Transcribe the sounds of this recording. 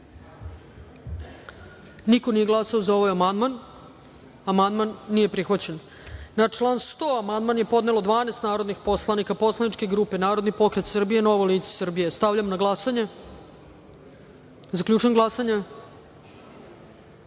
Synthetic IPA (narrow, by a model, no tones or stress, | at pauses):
nikonije̞ɡlˠasaozao̞ʋajamand̪man | amand̪manːije̞pɾixʋat͡ɕe̞n | nat͡ʂlˠaːnst̪oːamand̪manje̞po̞d̪ne̞lod̪ʋaːnest̪naːɾo̞d̪nixpo̞slˠanikapo̞slˠaniʈ͡ʂkeɡɾuːpe̞naːɾo̞d̪nipo̞kɾet̪sr̩bije̞no̞ʋojliːt̪se̥sr̩bije̞st̪aʋʎʲamnaɡlˠasaɲe | zakʎʲuːt͡ʃujemɡlˠasaɲe